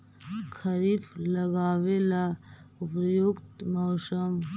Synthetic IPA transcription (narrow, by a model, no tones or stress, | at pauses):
kʰəɾiːfləɡaːʋela | ʊpjoɡt̪mɔːsəm